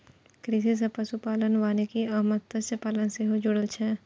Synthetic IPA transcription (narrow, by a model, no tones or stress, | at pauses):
kɾis̬is̬epɐsupaːlənʋaːnekiɐɦmət̪t̪əsəpaːlənseɦod͡ʒʊɽəlt͡ʃʰɛ